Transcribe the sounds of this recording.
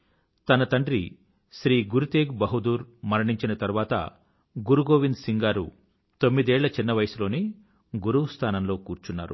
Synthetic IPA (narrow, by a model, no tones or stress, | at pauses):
t̪ɐnɐt̪ɐɳɖɾḭ | ʃɾiːɡuɾut̪eːɡbɐɦud̪uːɾmɐɾɐɳiɲt͡ʃinɐt̪ɐɾuʋaːt̪ɐ̰ | ɡuɾuɡo̞ːʋind̪siŋɡaːɾṵ | t̪o̞mːid̪ɛːɭːɐt͡ʃinːɐʋɐjɐsulo̞ːni | ɡuɾuwust̪ʰaːnɐmlo̞ːkuːɾt͡ʃunːa̰ːɾṵ